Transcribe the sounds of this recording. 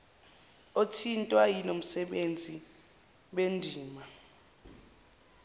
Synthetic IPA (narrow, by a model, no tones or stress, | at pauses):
otʰintʼwajinom̩sɛɓend͡zʱi | ɓendʱiːma